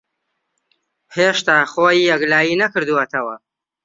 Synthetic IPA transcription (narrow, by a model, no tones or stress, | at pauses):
heːʃt̪aːχoːjijɛɡlaːjinɐkɨɾd̪uwɐt̪ʰɐwɐ